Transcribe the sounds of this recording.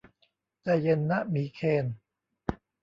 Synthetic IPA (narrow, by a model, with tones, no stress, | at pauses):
tɛː˧˩je˧nːa˦˥ʔmiː˨˩˦kʰeː˧n